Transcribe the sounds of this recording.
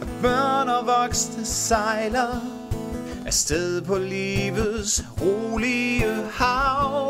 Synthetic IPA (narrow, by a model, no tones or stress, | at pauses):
ʔæb̥œɐnɐʋɒɡ̥snəsɑɪlɐ | ʔæɐsd̥eðˠpʰɒ̽liːʋəð̩ˠsʁoːliəhɑʊ